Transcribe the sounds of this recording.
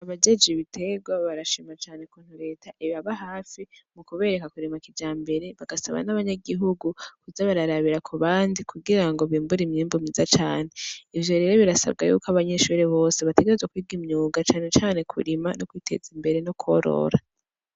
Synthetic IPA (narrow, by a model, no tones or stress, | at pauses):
aβad͡ʒe̞d͡ʒiβitʰe̞ɡwaβaɾaʃimat͡ʃaːne̞kuːn̥huɾe̞ːtʰaʔiβaβaɦaːfimukuβe̞ːɾe̞kakuɾimakid͡ʒaːmbe̞ɾe̞βaɡ̥asa̰βa̰naβaɲaɡiɦuɡukuzaβaɾaɾaβiɾakʰuβaːndikʰuɡiɾaŋɡo̞βiːmbuɾimɲiːmbumɲizat͡ʃaːn̥e̞ivjo̞ɾe̞ɾo̞βiɾasa̰b̚ɡa̰jṵkaβaɲeʃuɾeβo̞ːse̞βate̞ɡee̞zwakwiːɡimɲuːɡat͡ʃaːne̞t͡ʃaːne̞kʰṵɾimanokwiːtʰe̞̰zimbe̞ɾe̞noku̥o̞ɾo̞̰ɾa